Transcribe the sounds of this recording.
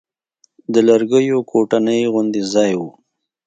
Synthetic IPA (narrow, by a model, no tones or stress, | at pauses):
d̪əlaɾɡəjokʰoʈanəjɣʊnd̪ezɑjwu